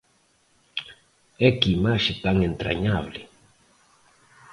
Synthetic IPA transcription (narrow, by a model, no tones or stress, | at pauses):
ɛkimaʃɪt̪aŋent̪ɾa̰ɲaβlɪ